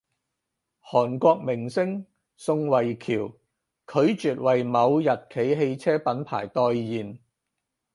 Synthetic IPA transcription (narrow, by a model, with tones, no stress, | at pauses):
hɔː˨˩nkʷɔː˧k̚mɪ˨˩ŋsɪ˥ŋ | sʊ˧ŋwɐ˨˩jkʰiː˨˩w | kʰɵ˨˧ɥt͡ʃyː˨t̚wɐ˨jmɐ˨˧wjɐ˨t̚kʰe˨˥jɦe˧jt͡sʰɛː˥pɐ˨˥npʰa̰ː˨˩jt̪ɔː˧jːiː˨˩n